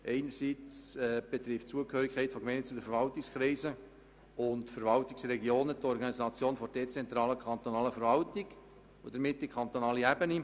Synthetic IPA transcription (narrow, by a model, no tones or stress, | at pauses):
ʔɛɪnəɾsiːt͡sɛːb̥et̪ɾɪftt͡suəkhøːɾikʰχɛɪtfɔkmɛɪnst͡sudəfəɾvɑltɪkskɾɛɪzə | ʊntfəɾvɑltɪksrɛɡjoːnətɔɾɡɑnisɑt͡sjoːnfɔd̥ɛt͡sɛnt̪ɾɑːləkχɑnt̪onɑːləfəɾvɑltɪɡ̥ | od̥əɾmɪtːikʰɑnt̪onɑːliæbəni